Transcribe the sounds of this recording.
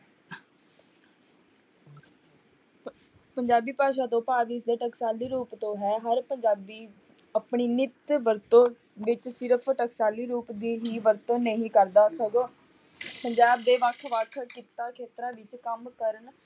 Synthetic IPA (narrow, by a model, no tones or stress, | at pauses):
pəɲd͡ʒaːbiːpaːʃ̬aːt̪õːpaːʋisd̪eːʈəksaːliːɾuːpt̪õːɦɛːɦəɾpəɲd͡ʒaːbiː | əpɳiːnɪt̪ʋəɾt̪õː | ʋɪt͡ʃsɪɾəpʰʈəksaːliːɾuːpd̪iːɦiːʋəɾt̪õːnəɦĩːkəɾd̪aːsəɡoː | pəɲd͡ʒaːb̚d̪eːʋəkʰʋəkʰkiːt̪aːkʰeːt̪ɾãːʋɪt͡ʃkəmkəɾəɳ